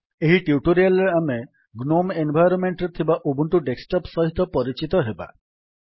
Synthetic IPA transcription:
eɦiʈiuʈoɾialɾeame | ɡnomenbʱajɾɔnmeɳʈɾet̪ʰibaʔobuɳʈuɖeksʈɔpsɔɦit̪ɔpɔɾit͡ʃit̪ɔɦeba̰

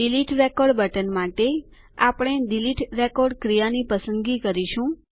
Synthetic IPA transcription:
iliʈɾekoɾɖbəʈənmaʈe | apɽ̃ed̪iliʈɾekoɾɖkɾijanipəsənd̪ɡikəɾiʃũ

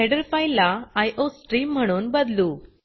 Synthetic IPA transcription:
eɽəɾfajlːaajʔosʈɾiːm̤ːəɽ̃uːnbəd̪luː

